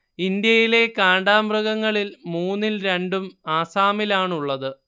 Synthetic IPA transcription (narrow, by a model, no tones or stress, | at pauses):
ind̪jɐjile̞kaːɳɖaːmbruɣɐŋːɐɭilmuːnːilɾe̞ɳɖumaːsaːmilaːɳuɭːɐðɨ